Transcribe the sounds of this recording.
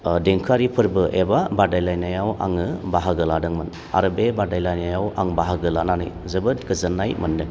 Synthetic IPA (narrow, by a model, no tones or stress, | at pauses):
deŋkʰaɾipʰɯɾbɯʔebabadajlajnajawʔa̰ŋɯbaɦaɡɯladɯŋmɯn | a̰ɾɯbebadajlajnajawaŋbaɦaɡɯlananɯ̰jzɯbɯtɡɯzɯnːajmɯndɯŋ